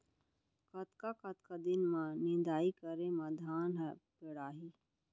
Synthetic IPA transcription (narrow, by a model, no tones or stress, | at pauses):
kɐt̪kakɐt̪kad̪ɪnmãnɪ̃nd̪aːikəɾẽmãd̪ʱaːnɦəpɪɽaːɦiː